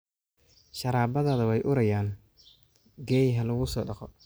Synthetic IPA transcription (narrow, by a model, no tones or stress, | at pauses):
ʃɐɾaːbɐðaðɐwɛjʔʊɾɐjaːn | ɡɛːjɦɐlʊɣʊsɔːɖɑqɔ